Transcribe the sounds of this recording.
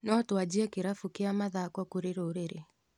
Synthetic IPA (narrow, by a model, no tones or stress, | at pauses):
nɔtwad͡ʑiɛkeɾafukeamaðakɔkuɾeɾoɾeɾe